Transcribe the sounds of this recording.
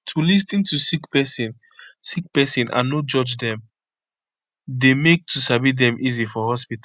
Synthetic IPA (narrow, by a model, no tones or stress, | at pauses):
tʰulis̬tĩntusikpɛsĩn | sik̚pɛsĩnã̰nːod͡ʒɔd͡ʒdɛ̃m | demek̚tʰusabidɛ̃mʔizifɔhɔspita